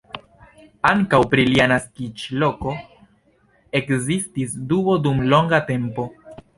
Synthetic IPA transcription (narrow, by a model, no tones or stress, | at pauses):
aŋkawpɾilianaskit͡ʃlo̞ko̞ | e̞kzistisduo̞dumlo̞ŋɡate̞mpo̞